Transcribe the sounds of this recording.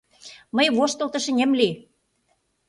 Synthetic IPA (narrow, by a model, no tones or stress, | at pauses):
məjβoʃt̪ɤlt̪ɤ̆ʃə̆nʲĕmli